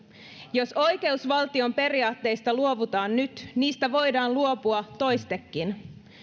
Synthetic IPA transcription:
jo̞so̞jke̞usʋɑlt̪io̞mpe̞riɑːt̪ːe̞jst̪ɑluo̞ʋut̪ɑːnːyt̪niːst̪æʋo̞jdɑːnluo̞puɑt̪o̞jst̪ekːin

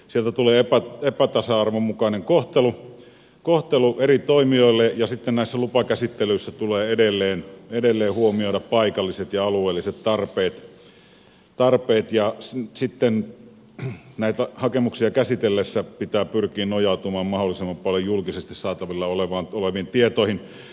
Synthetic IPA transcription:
sielt̪æt̪uleːepæepæt̪ɑsɑɑrʋomukɑneŋkoht̪elu | koht̪eluʔerit̪oimioˑilːejɑsit̪ːennæˑisːælupɑkæsit̪ːelyisːæt̪uleːedelːeːnedelːeːhuomioiɾɑppɑikɑlːiset̪jɑɑlueːlːiset̪t̪ɑrpeːt̪ | t̪ɑrpeːt̪jɑssit̪ːen | næˑit̪æhɑkemuksiɑkæsit̪elːesːæpit̪æːpyrkiːnnojɑˑut̪umɑːmmɑholːˑisemːɑmpɑljojjulkisest̪issɑːt̪ɑʋilːɑoleʋɑnoleʋiːnt̪iet̪oˑihin

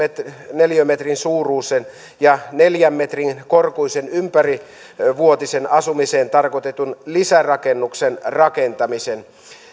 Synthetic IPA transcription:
neljømːet̪rinsuːruːsen | jɑneljæmːet̪riŋkorkuisenympæri | ʋuot̪isenɑsumiseːnt̪ɑrkot̪et̪unlisærɑkenːuksenrɑkent̪ɑmisen

